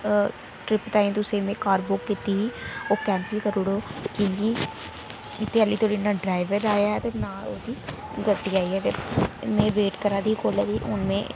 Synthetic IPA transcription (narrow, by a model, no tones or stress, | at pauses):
ʈɾɪpt̪aːĩːt̪ʊsẽːmẽːkaːɾboːkːit̪iːiːoːkɛːnsəlkəɾoːɽoːkõːkiː | ɪt̪ʰːeːəliːt̪ʰoːɽiːnãːɖɾaːɪʋəɾaːjaːɛt̪eːnaːloːd̪iː | ɡəʈːiːaːiːɛːt̪eːmẽːʋeːʈkəɾãːd̪iːkoːlɛːd̪iːʊ̰nmḛ̃ː